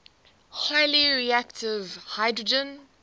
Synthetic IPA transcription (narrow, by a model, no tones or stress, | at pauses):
haɪliɹiæktʰɪvhaɪdɹəd͡ʒə̃n